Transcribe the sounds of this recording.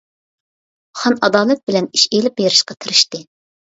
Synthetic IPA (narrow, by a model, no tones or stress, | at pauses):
χɑnɑd̪ɑːlˠɛt̪̚bɪlɛniʃelɪp̚beɾɪʃqɑt̪ʰɨɾɪʃt̪ɨ